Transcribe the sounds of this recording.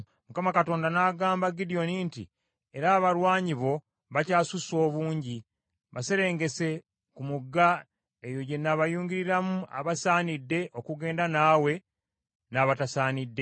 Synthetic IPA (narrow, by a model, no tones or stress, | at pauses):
mukamakato̞ːndanaɡaːmbaɡidio̞nintḭ | e̞ɾaːβalwaːɲiβo̞ | βacaːsuso̞ːβuːɲɟi | βase̞ɾe̞ːŋɡe̞se̞ | kumuɡːa | ejo̞ɟe̞nːaβajuːɲɡiɾiɾamuʔa̰βasaːnidːe̞ʔo̞kuɡe̞ːndanaːwe̞ | naβatasaːnidːe̞